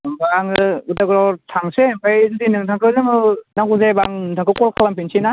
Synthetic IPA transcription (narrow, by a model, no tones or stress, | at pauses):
baŋɡɯtaɡɾɔtʰaŋsepʰajzudinɯŋtʰaŋkʰɯzemɯnaɡuzebaŋtʰaŋkʰɯkɔlkʰalampʰinsʰina